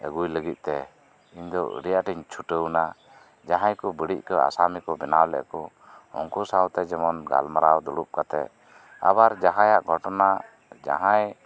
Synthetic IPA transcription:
əɡujləɡit̪̚ˀt̪ɛ | iɲd̪ɔʔɾijaʈiɲt͡ʃʰuʈəwna | d͡ʒaɦãjkɔbəɽic̚ˀkɔa̰samikɔbɛnawlɛ̰ʔkɔ | hɔ̰ŋkusawt̪ɛd͡ʒɛmɔnɡa̰lmaɾawd̪uɽup̚kat̪ɛ̰ | a̰baɾd͡ʒaɦãjaʔɡʱɔʈɔna | d͡ʒa̰ɦãj

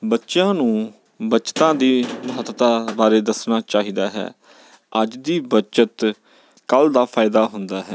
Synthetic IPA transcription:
bətːʃjãːnũː | bət͡ʃt̪ãːd̪iːməɦət̪t̪aːbaːɾeːd̪əsnaːt͡ʃaːɦiːd̪aːɦɛ̰ː | əd͡ʒd̪iːbət͡ʃət̪ | kəld̪aːpʰaːɪd̪aːɦʊnd̪aːɦɛː

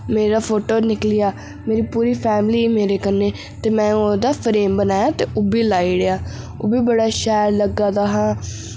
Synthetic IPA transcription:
meːɾaːpʰoːʈoːnɪklɪjaː | meːɾiːpuːɾiːpʰɛːmliːmeːɾeːkəneː | t̪eːmɛ̃ːoːd̪aːpʰɾeːmbənaːjaːt̪eːʔoːbiːlaːiːɽejaː | oːbiːbəɽaːʃɛːɾləɡaːd̪aːɦãː

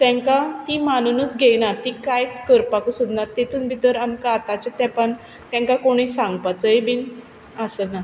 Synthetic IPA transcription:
t̪ɛ̃ŋkat̪imanunut͡sɡʱejnat̪ikajt͡skəɾpakəsud̪naɾt̪et̪ʰuːnbʱit̪əɾamkaːt̪at͡ɕet̪ɛpəɳ | t̪ɛ̃ŋkakoɽ̃isãŋɡpat͡səebʱiːn | asəna

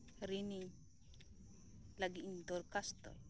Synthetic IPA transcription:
ɾini | laɡiind̪ɔɾkast̪o̰j

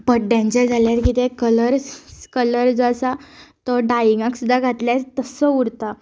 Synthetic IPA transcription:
pəʈɖjãɲt͡ɕad͡zʱaljaɾkit̪ɛkələɾkələɾd͡zasat̪ɔɖaiŋɡãksud̪ʱːaɡʱat̪ljaɾt̪əsəuɾt̪a

